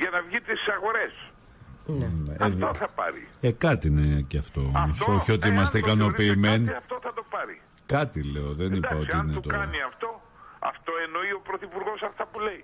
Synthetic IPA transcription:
ʝɐnɐvʝit̪isɐɣo̞ɾe̞s | eðoθɐpɐ̰ɾḭekɐt̪iineceɐft̪o̞moso̞çio̞t̪iimɐst̪eikɐno̞piːmenɐft̪oθɐt̪opɐɾi | kɐt̪ile̞oðenipɐot̪iinet̪oɐniɐft̪o̞ | ɐ̰ft̪o̞eno̞io̞pɾoθipuɾɣo̞sɐft̪ɐpule̞i

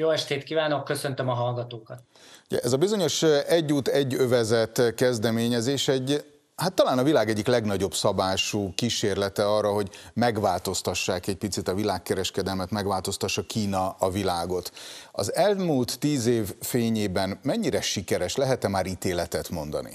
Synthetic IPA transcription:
joːɛʃt̪eːt̪kiːvaːno̞kːøsønt̪ømɒɦɒlɡɒt̪oːkɒt̪ | ɟɛ̰ʔɛzɒbizo̞ɲo̞ʃɛɟːuːt̪ɛɟːøvɛzɛt̪ːkɛzd̪ɛmeːɲɛzeːʃɛɟ | hat̪ːɒlaːnɒvilaːɡɛɟːiklɛɡnɒɟo̞bsɒbaːʃuːkiʃeːrlɛt̪ɛɒrːɒɦo̞ɟmɛɡʋaːlt̪o̞st̪ɒʃːaːkɛc̚pit̪sit̪ɒvilaːkːɛɾɛʃkɛd̪ɛlmɛt̪mɛɡvaːlt̪o̞st̪ɒʃːɒkʰiːnɒɒvilaːɡo̞t̪ɒ̰zɛlmuːlt̪ːiːzeːvfeːɲeːbɛnmɛɲːiɾɛʃikɛɾɛʃlɛɦɛt̪ɛmaːɾit̪eːlɛt̪ɛt̪mo̞nd̪ɒ̰nḭ

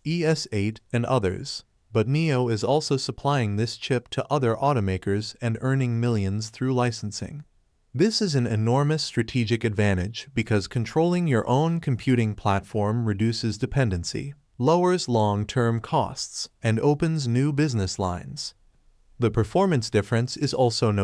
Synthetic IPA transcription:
iɛseɪɾɨ̃nʌ̰ðə̰˞z̥ | b̥ʌtⁿnioʊɪzɔlˠsoʊsəpʰl̥aɪɪ̃ŋðɪst͡ʃʰɪp̚tʰəʔʌðə˞ʔɔɾomeɪkə˞zɨ̃nɜ̃˞nɪ̃ŋmɪlˠjɨ̃nz̥θɹʉlaɪsn̩sɪ̰̃ŋ | ðɪsɨzɨ̃nɨ̰nɔɹmɨstɹ̥ɨtʰid͡ʒɨkɨdvæ̃ɾ̃ɪd͡ʒbɨkʰʌz̥kʰɨ̃ntʰɹ̥oʊlˠɪ̃ŋjə˞ʔõʊ̃nkʰm̩pʰj̥ʉɾɪ̃ŋpʰl̥ætfɔɹmɹɨdʉsɨzdɨpʰɛ̃ndɨ̃nsḭ | loʊə˞zlɔ̃ŋtʰɜ̃˞mkʰɔ̰stsɨ̃noʊpɨ̃nznʉbɪznɨslã̰ɪ̃nz̥ | ðɨpʰə˞fɔɹmɨ̃nsd̥ɪfɹɨ̃nsɨzɔlˠsoʊno

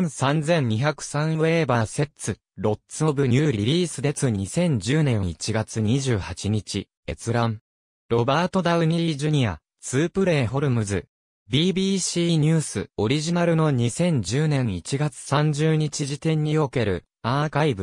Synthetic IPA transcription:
sãnd͡zẽ̞ɲ̟ɲiçakɯ̟̥sãɰ̃e̞ːbase̞t͡sɨ | ɾo̞tt͡sɨobɯ̟ɲɯːɾʲiɾʲiːsɨd̪e̞t͡sɨɲ̟isẽ̞ɲ̟d͡ʑɨːnẽ̞it͡ɕiɡat͡sɨɲiʑɨːhat͡ɕiɲ̟it͡ɕi | e̞t͡sɨɾãm | ɾo̞baːt̪o̞d̪aɯ̟ɲ̟iʑɯɲ̟ia̰ | t͡sɨːpɯ̟ɾe̞ːɦo̞ɾɯ̟mɯ̟zɨ | bʲiːbʲiːɕiːɲ̟ɨːsɨo̞ɾʲiʑinaɾɯ̟no̞ɲ̟isẽ̞ɲ̟d͡ʑɨːnẽ̞ɰit͡ɕiɡat͡sɨ̥sãɲ̟d͡ʑɨːɲ̟it͡ɕiʑit̪ẽ̞ɲ̟ːio̞ke̞ɾɯ̟̰ | aːkaibɯ̟

